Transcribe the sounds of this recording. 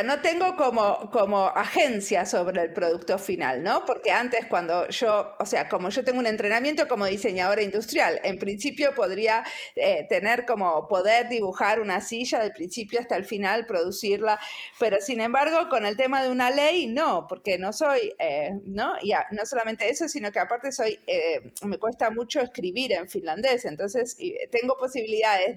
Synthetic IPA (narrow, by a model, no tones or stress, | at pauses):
no̞t̪e̞ŋɡo̞ko̞moko̞mo̞axe̞nsjaso̞β̞ɾe̞ːlpɾo̞ð̞uk̚t̪o̞fina̰lno̞po̞ɾke̞ant̪e̞skwand̪o̞ʒ̥o̞ːse̞ako̞mo̞ʒo̞t̪e̞ŋɡune̞nt̪ɾe̞namje̞nt̪o̞ko̞mo̞ðise̞ɲaðoɾaind̪ust̪ɾjalempɾinsipjo̞po̞ð̞ɾiaet̪e̞ne̞ɾko̞mo̞po̞ðeɾðiβuxaɾunasiʒaðelpɾinsipjoast̪aelfinalpɾo̞ðusiɾlape̞ɾo̞sinẽ̞mbaɾɣ̞o̞ko̞ne̞lt̪e̞maðeunalejno̞po̞ɾke̞no̞so̞jenoiano̞so̞lament̪eeso̞sino̞keapaɾt̪eso̞jeme̞kwe̞st̪amut͡ʃo̞eskɾiβiɾe̞ɱfinland̪e̞se̞nt̪o̞nsest̪e̞ŋɡo̞po̞siβiliðaðez